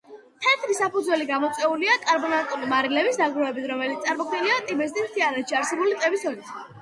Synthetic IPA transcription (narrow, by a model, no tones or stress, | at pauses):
t̪ʰɛt̪ʰɾisapud̪zwɛliɡamɔt̪sʼwɛuliakʼaɾbɔnant̪ʼulimaɾilɛbisd̪aɡɾɔɛbit̪ʰɾɔmɛlit̪sʼaɾmɔkʰwniliat̪ʼibɛs̬t̪ʼist̪ʰiaɾɛt̪ʃiaɾsɛbulit̪ʼɛbisɔlit̪ʰ